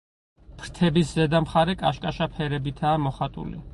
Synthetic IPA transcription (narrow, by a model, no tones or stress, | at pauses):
pʰɾt̪ʰɛbiszɛd̪amχaɾɛkʼaʃkʼaʃapʰɛɾɛbit̪ʰaːmɔχat̪ʼṵlḭ